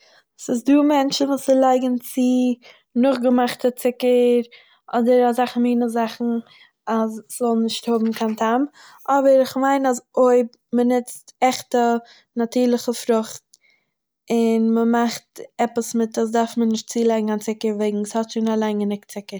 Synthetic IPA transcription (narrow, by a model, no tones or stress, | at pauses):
sɪsduːmɛnt͡ʃn̩vuːsɪlˠaɪɡn̩t͡sɪ | nʊχɡəmaχtət͡sɪkəɾ | ʔɔdəɾazaχnmiːnəzaχn̩ | asszɔlˠnɪʃthʊbm̩kʰantʰam | ɔbəɾɪχmaɪnazoɪb | mənɪt͡stɛχtə | natiːɾlˠəχəfɾʊχt̚ | ɪnməmaχtɛpəsmɪtas̬daɾfmənɪʃt̚t͡siːlˠaɪɡŋ̩ant͡sɪkəɾveɪɡŋ̩shɔtʃonalˠaɪnɡənɪktt͡sɪkəɾ